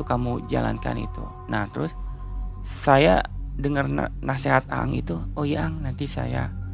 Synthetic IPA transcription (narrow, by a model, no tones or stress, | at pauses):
ukamud͡ʒa̰la̰nka̰nḭt̪ṵ | naht̪əɾʊs | saja̰dəŋərn̰naseɦat̪̚a̰ŋit̪uojaŋnant̪isa̰ja̰